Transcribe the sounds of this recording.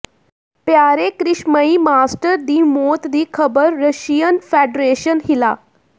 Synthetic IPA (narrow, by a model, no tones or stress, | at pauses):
pjaɾekɾiɕməiːmasʈəɾd̪iːmot̪d̪iːkʰəbəɾːəɕijənfeɖɾeɕənɦila